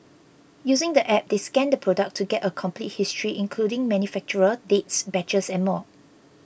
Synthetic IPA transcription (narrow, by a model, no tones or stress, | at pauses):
juzɪ̃ŋdəʔɛp̚deskɛ̃ndəpʰɹodək̚tʰːuɡɛtəkʰɔ̃mplit̚histʰɹiʔɪ̃nkʰludɪ̃ŋmɛ̃njufɛk̚t͡ʃuɹədetsbɛt͡ʃəsɛ̃nmɔ